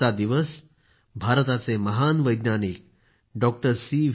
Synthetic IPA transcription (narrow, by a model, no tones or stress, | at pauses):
ad̪iʋəs | bʱaɾt̪at͡seməɦanʋəjd̪nanik̚ | ɖɔk̚ʈəɾsi